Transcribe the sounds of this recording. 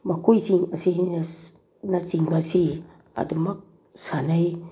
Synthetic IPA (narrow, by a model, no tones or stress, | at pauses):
makʰojziŋɐsi | naziŋbasi | a̰dumɐk̚ | sanaj